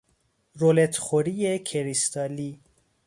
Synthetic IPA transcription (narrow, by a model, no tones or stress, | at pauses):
ɾolet̪χoɾijekʰeɾist̪ɑːli